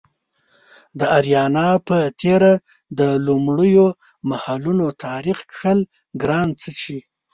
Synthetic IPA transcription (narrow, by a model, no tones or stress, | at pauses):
d̪əaɾjɑnɑpət̪ʰeɾa | d̪əlumɽəjo | mahalunot̪ʰɑɾixkxəl | ɡɾɑnt͡sət͡ʃi